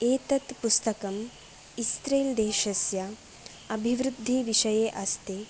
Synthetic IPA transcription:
eːt̪ɐt̪pust̪ɐkɐm | ist̪ɾeːld̪eːʃɐsjɐ | ɐbʱiʋɾud̪ʱːiʋiʃɐjeːʔɐst̪eː

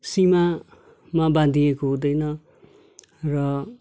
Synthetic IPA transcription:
sima | mabãd̪ʱijekoɦud̪ʌjnʌ | rʌ

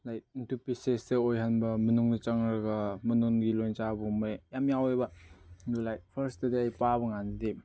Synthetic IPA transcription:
lajt̚intʰupiseseojɦanbɐmɐnuŋdit͡ʃɐŋɾɐɡɐmɐnuŋɡilojnt͡ʃabumajjamjawejbɐlulajt̚pʰɐɾstɐdiajpabɐŋanide

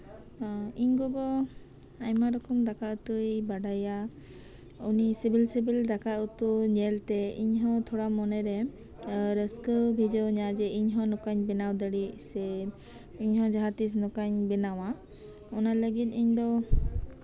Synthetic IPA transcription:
iɲɡɔɡɔ | ajmaɾɔkɔmd̪akaut̪uejbaɖaja | unisibilsibild̪akaut̪uɲɛlt̪ɛḭɲɦɔ̃t̪ʰɔɽamɔnɛɾɛ | ɾəskəbʱid͡ʒəwɲad͡ʒɛiɲɦɔ̃nɔkaɲbɛnawd̪əɽisɛ | iɲɦɔ̃d͡ʒaɦat̪is̬nɔkaɲbɛnawã | ɔnaləɡit̪̚ˀiɲd̪ɔ

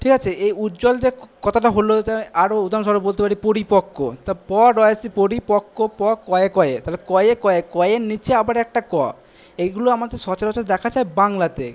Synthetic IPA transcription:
ʈʰikat͡ɕʰeʔejutːd͡ʑɔld͡ʑekɔt̪ʰaʈaɦolot̪aaɾoud̪ʱaonʃ̬ɔɾobolt̪epaɾipoɾipokːot̪apɔɾɔeasipoɾipokːopɔkɔekɔet̪alekɔjekɔekɔjenit͡ɕeabaɾɛk̚ʈakɔ | eɡuloamad̪eʃɔt͡ɕaɾɔt͡ɕʰad̪ɛkʰad͡ʑaebaŋlat̪ḛ

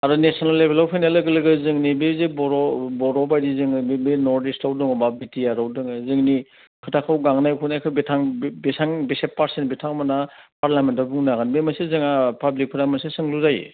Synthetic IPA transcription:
aɾɯnesɔnalːebelɔwpʰijnalɯɡɯlɯɡɯzɯŋnibezebɔɾɔbɔɾɔbajdizɯŋɯbbenɔɾdistawdɯŋɯbabitiaɾawdɯŋɯzɯŋni | kʰɯtʰakʰawɡaŋnajkʰunajkʰɯbetʰaŋbisaŋbisep̚pːaɾsenbitʰaŋmanapaɾlamentabuŋnaɡanbemasezɯŋapablik̚pʰɯtʰamansesɯŋluzaj̰

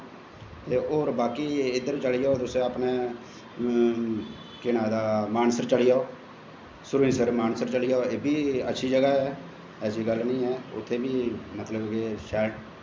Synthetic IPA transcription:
eːʔoːɾbaːkiːɪd̪əɾt͡ʃəlɪjaoːd̪ʊsẽːəpneː | kɪnaːd̪aːmaːnsəɾt͡ʃəlɪjaːoː | sʊɾĩːsəɾmaːnsəɾt͡ʃəlɪjaoeːbʱiːə̰tːʃʰiːd͡ʒəɡaːɦɛː | ɛːsiːɡəlnĩːɦɛːʊ̰t̪ʰːeːbiːmət̪ləbkeʃɛːʈ

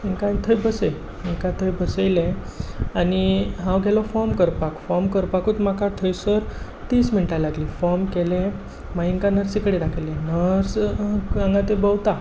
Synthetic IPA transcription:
iŋkat̪ʰəjbəsəj | iŋkat̪ʰəjbəsəjleaniɦãwɡʱɛlɔfɔmkəɾpakfɔmkəɾpakuːt̪makat̪ʰəjsəɾ | t̪iːsminiʈalaɡlifɔɾmkele | maɦiŋkanəɾsikəɽed̪akʰəjlenəɾsãŋɡat̪ebəwt̪a

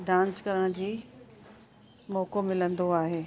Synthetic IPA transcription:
ɖãːnskɐɾəɽ̃ʊd͡ʑiː | mɔːkomɪlə̃nd̪oaːɦeː

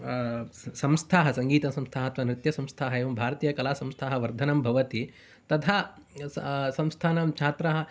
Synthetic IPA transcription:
sɐmst̪ʰaːɦɐsɐŋɡiːt̪ɐsɐ̃mst̪ʰaːɦɐt̪ʋɐnɾɪt̪jɐsɐ̃mst̪ʰaːɦɐeːʋɐmbʱaːɾɐt̪iːjɐkɐlaːsɐmst̪ʰaːɦɐʋɐɾd̪ʱɐnɐmbʱɐʋɐt̪i | t̪ɐt̪ʰa | sɐ̃mst̪ʰaːnɐmt͡ʃʰaːt̪ɾɐɦɐ̆

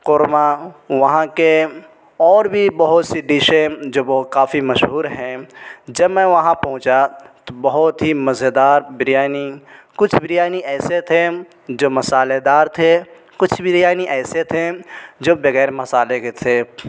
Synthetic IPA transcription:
qʊɾmaʋɐɦãke | ɔːɾbʱibɐɦʊt̪siɖiːʃed͡ʒoːbokaːfimɐʃɦuːɾɦɛ̃ːd͡ʒɐbmɛ̃ʋɐɦãpɐ̃ɦʊ̃t͡ʃat̪obɐɦʊt̪ɦimɐzed̪aːɾbɾjaːnikʊt͡ʃʰbɪɾɪjaːniɛːset̪ʰe | d͡ʒoːmɐsaːled̪aːɾt̪ʰe | kʊt͡ʃʰbɪɾjaːniʔɛːset̪ʰed͡ʒoːbɐɣɛːɾmɐsaːleket̪ʰeː

